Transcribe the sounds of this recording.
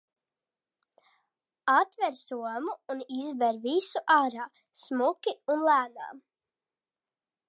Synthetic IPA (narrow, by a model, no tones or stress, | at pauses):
at̪vɛɾsuɔmuːnizvɛɾvisuʔaːɾaː | smukʲiunlæːna̰ː